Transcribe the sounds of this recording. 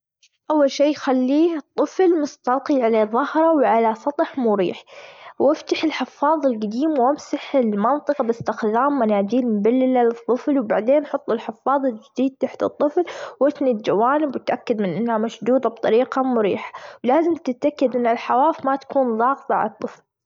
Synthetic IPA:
ʔawːalʃeːjxalːiːɨt̪ˤːɨflmʊst̪ɑlqiʕalaðˤɑhɾˤɑwʕalasˤɑt̪ˤħmʊɾḭːħwɪft̪aħɪlħɪfːɑːðˤɪlɡad̪iːmwʔamsaħɪlmɑnt̪ˤɨqɑbɪst̪ɪxd̪aːmːanaːd͡ʒiːlmʊbalːɪlalɨt̪ˤːɨflwbaʕd̪eːnʔħʊt̪ˤːɪlħɪfːɑːðˤɪld͡ʒɪd̪iːd̪̚t̪aħt̪ɨt̪ˤːɨflwɪt̪nid̪d͡ʒawaːnɪbwɪt̪ʔakːad̪mɪnʔɪnːhamaʃd̪uːd̪ɑb̚t̪ˤɑɾiːqɑmʊɾḭːħḁwlaːzɪmt̪ɪt̪ʔakːɪd̪ʔɪnːalħawaːfmat̪ḁkuːnðˤɑːɣt̪ˤɑʕa̰lɑt̪ˤːɨfl

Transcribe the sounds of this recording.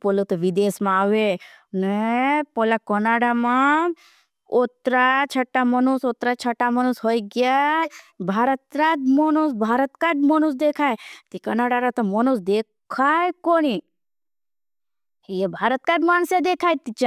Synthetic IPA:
polot̪ɐʋid̪eːsmãaʋe | nepolakənaɽamã | ot̪ɾat͡ʃʰɐʈːamənusot̪ɾat͡ʃʰəʈːamənusɦojɡja | bʱaːɾət̪ɾad̪mənusbʱaːɾət̪kaɖməñusd̪ekʰajt̪ikənaɽaɾat̪ɐmənusd̪ekkʰajkoɽ̃i | jebʱaɾət̪kaɖmaːnsed̪ekʰajt̪it͡ʃa

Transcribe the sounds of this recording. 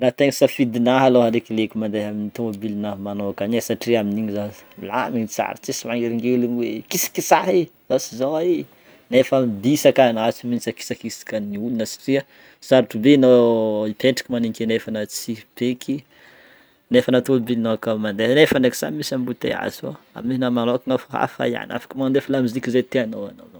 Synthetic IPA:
rat̪eŋisafid̪inaɦaloɦaɾekilekʲimand̪eɦaminit̪obilinamanoakaɲesaʈ͡ʂiaminiɲizala̰miɲt͡sa̰ɾit͡sisimaŋɡeɾiŋɡeulinwekisḁkisaɦizasizaai | nefamibisakanat͡sumint͡saki̥sakisi̥kəniulunəsḁʈ͡ʂiə | saɾiʈ͡ʂubenoipʰeɳʈ͡ʂḁkimanikʲenefanət͡sib̥ekʰi | nefanat̪olbinoakamand̪enefaneki̥sa̰misambut̪ḛa̰zo̰ | a̰mniinamanokiŋafuɦa̰fa̰ja̰na̰fḁkmand̪efalamizikʲizet̪eanowa̰no̰no

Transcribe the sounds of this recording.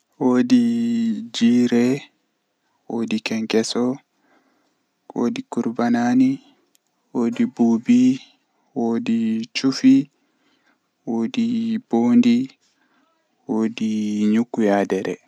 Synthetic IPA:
woːdi | d͡ʒiːɾɛ | woːdikɛŋkɛsɔ | wo̰ːdikuɾbanani | woːdibubi | woːdit͡ʃufi | woːdiboːndi | woːdiɲukːujadɛɾɛ

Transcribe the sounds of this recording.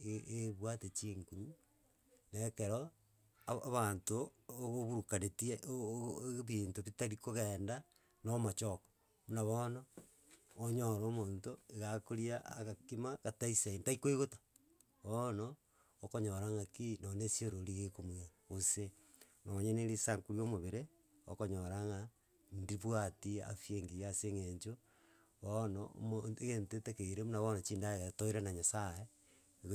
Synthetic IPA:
eβwatet͡ʃiːŋkuɲu | neːkeɾo | aaβantoɣoβuɾukaɾetieʔoβiːntoβitaɾikoɣeːnda | nomat͡ʃoko̥ | munaβonoː | ɲoɾoːmoːntoeɣakoɾiaːɣakimaɣataisaintaikoeɣotḁ | βonoː | koɲoɾaŋakinonesioɾoɾiɣekomwaɣose | noɲeneɾisaŋkuɾjomoβeɾe | o̰koɲoɾaŋa | ndiβwatia̰fjeŋɡijaseŋeɲt͡ʃo | βon̰moeɣentetekeiɾemunaβonot͡ʃiːndaeɣatoiɾanaɲasaje | ɣ

